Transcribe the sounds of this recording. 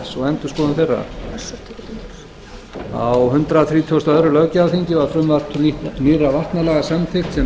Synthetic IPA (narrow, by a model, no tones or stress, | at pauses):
sɔɣɛnt̪ʏskɔːðʏmθejrːa̰ | a̰wɦʏnt̪ɾaθɾiːt̪ʰuɔst̪œðɾʏlœvcaafiɲcɪvaɾfɾʏmvḁt̪ʰuniniravar̥t̪nalɛɣasamθɪxt̪sɛ